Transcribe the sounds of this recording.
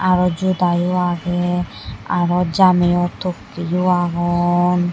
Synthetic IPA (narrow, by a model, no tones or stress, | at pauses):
aɾɔd͡ʒud̪ajuaɡɛ | a̰ɾɔd͡ʒamɛjɔt̪okːijuaɡɔn